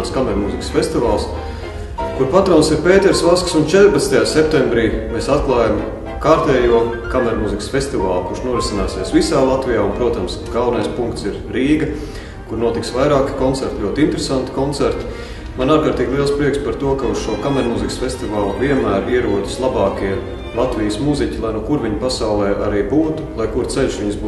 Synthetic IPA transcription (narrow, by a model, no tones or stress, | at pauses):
skamɛɾmuziksfʲesʲt̪ivaːlˠs | kuɾpat̪ɾɔwnsiɾpeːt̪ɛɾsvasksunt͡ʃɛt̪ɾpat̪st̪ajaːsep̚t̪ɛ̃mbɾiːmeːsat̪klˠaːjam | kaɾt̪ɛːjuɔkamɛɾmuzikə̥sfest̪ivaːlˠkuɾʃnuɔɾisinaːsiɛsʋisaːlˠat̪vijaːunpɾuɔt̪amsɡ̥awnajspuŋkt̪siɾ | ɾiːɡɐ | kuɾnuɔt̪iksʋajɾaːki̥kɔnt̪ɛɾt̪lʲuɔt̪int̪eɾesant̪i̥kɔnt̪sɛɾt̪ | manaːɾkaːɾt̪iːɡʲlˠiɛlˠspɾiɛkspaɾt̪uɔkauz̥ʃuɔkamɛɾmuziksfʲest̪ivaːlˠviɛnmæːɾiɛɾuɔd̪i̥slˠabɑːkiɛ | lˠat̪ʋijəsmuzicʲilˠajnuɔkuɾʋiɲpasawlˠɛːʔaɾiːbuːt̪u̥lˠajkuɾt̪sɛlʲʃʋʲiɲs